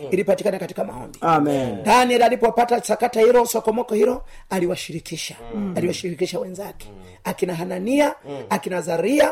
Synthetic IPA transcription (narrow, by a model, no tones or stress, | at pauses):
iɾipatikanakati̥kama̰hɔ̰mbiamndaniɛlalipɔpatasakatahiɾɔsɔkɔmɔkɔhiɾɔaliwaʃiɾikʰiʃḁaliwaʃiɾikiʃawɛnzakɛ̥ | akinaɦananiaakinazaɾia